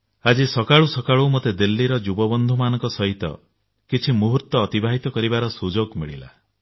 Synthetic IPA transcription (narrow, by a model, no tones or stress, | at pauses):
ad͡ʒisɔkaɭusɔkaɭumot̪ed̪elːiɾɔd͡ʒubɔbɔnd̪ʱumanɔ̃ŋkɔsɔɦit̪ɔ̰ | kit͡ʃʰimuɦuɾt̪ɔːt̪ibaɦit̪ɔkɔɾibaɾɔsud͡ʒoɡmiɭḭla̰